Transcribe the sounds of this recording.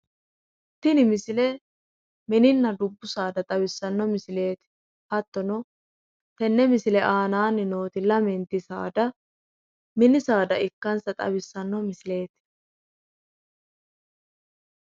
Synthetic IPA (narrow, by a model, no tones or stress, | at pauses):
t̪ɪnɪmɪsɪlɛ | mɛnɪnːɐd̪ʊbːʊsaːd̪ɐt̪ʼɐβɪsːɐnːɔmɪsɪle̞ːt̪ɪ̥ | hɐt̪ːɔnɔ | t̪ɛnːɛmɪsɪlɛʔaːnaːnːɪno̞ːt̪ɪlɐmɛnt̪ɪsa̰ːd̪ɐ | mɪnɪsaːd̪ɐɪkːɐnsɐt̪ʼɐ̰bɪsːɐnːɔmɪsɪle̞ːt̪